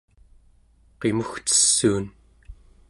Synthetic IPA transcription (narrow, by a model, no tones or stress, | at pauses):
qe̞muxt͡sə̥sːuːn